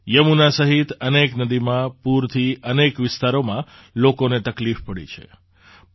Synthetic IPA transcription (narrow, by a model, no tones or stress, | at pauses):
jəmunasəɦit̪əneknəd̪imãpuɾt̪ʰiənekʋɪst̪aɾomã | lokonet̪əklifpəɽḭt͡ʃʰḛ